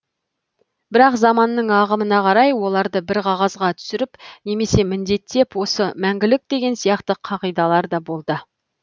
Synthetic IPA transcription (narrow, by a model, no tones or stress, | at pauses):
b̥ɪɾɑqzɑmɑnːəɴɑʁəmənɑqʰɑɾɑjwo̞lˠɑɾd̪əbɪɾqʰɑʁɑzʁɑt̪ʰʏ̥sɪɾɪpne̞me̞se̞mɪnd̪e̞t̪ːe̞pwo̞səmæŋɡʲɪlɪk̚d̪e̞ɡʲe̞nsijɑqt̪əqʰɑʁijd̪ɑlˠɑɾd̪ɑbo̞lˠd̪ə